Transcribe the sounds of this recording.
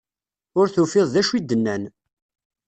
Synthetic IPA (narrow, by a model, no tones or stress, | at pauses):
ʊɾθufɪðˤðæʃwid̪ːənːæn